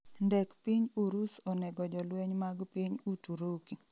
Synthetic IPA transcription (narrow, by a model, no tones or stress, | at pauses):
ndɛkpiɲuɾusɔnɛɡɔd͡ʒɔlwɛɲmaɡpiɲutuɾoki